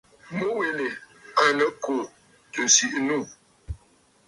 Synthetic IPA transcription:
mo˦we˨ne˨ | a˨nə˨˦kʰo˨ | tə˨si˦ʔnu˦˨

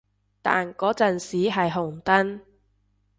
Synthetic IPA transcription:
t̪a̰ː˨nkɔː˨˥t͡sɐ˨nsiː˨˥ɦɐ˨jɦʊ˨˩ŋt̪ɐ˥n

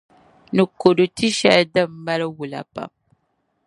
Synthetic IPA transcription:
nɨ˨ko˨do˨ti˦ʃɛ˦ldɨ˦˨mː˦a˦lwu˨la̰˨pa̰˨m

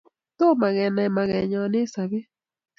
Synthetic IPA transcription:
to˦ma˨ɣɛ˨na˨ma˨ɣɛ˨ɲɔ˨ne˦sa˨βe˦

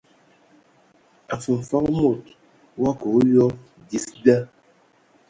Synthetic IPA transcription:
a˨fu˨m̩˨fa˦kmo˦˨t | wa˦ko˨˦jɔ˦ | di˨sba˦

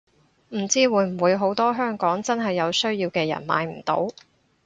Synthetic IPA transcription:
m̩˨˩t͡siː˥wuː˨˧jm̩˨˩wuː˨˧jɦo˨˥wt̪ɔː˥ɦœː˥ŋkɔː˨˥ŋt͡sɐ˥nɦɐ˨jːɐ˨˧wsɵ˥ɥjiː˧wkɛː˧jɐ̰˨˩nma̰ː˨˧jm̩˨˩t̪o̰˨˥w

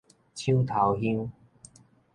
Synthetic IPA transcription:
t͡ɕʰi˦t̪ʰa˨˦wɦi˦˥ŋ

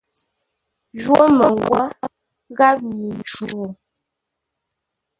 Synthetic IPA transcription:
ʒwo˦mə˨ŋ˨ɡwɔ˦ | ɣa˦p̚mi˨nt͡ʃu˨

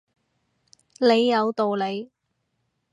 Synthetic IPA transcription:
le˨˧jːɐ˨˧wt̪o˨wle˨˧j

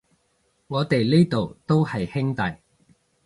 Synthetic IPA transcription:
ŋɔː˨˧t̪e˨jle˥jt̪o˨wt̪o˥whɐ˨jhɪ˥ŋt̪ɐ˨j

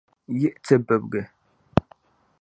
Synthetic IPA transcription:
ji˦˨ʔt͡sə˨bə˨p̚ɡɛ˨

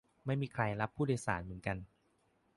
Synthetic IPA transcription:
ma˥˩jmiː˧kʰɾa˧jla˦˥pʰːuː˥˩daː˧jsa̰ː˩˦nmɯ˩˦nka˧n

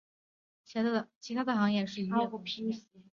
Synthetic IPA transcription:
t͡ɕʰjɛ˧˥d̪t͡ɕʰi˧˥t̪ʰa˥d̪ə˨xɑ˧˥ŋjɛ˥˩ʂɻ̩˥˩y˥˧u˥˩pʰi˥ŋɕi˧˥

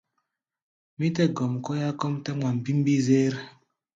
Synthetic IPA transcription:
mi˦tɛ˦ɡɔ˨mkɔ˦ja˦kɔ˦mtɛ˦mwa˨m̩˨bi˦m˦bi˦zeː˦ɾ

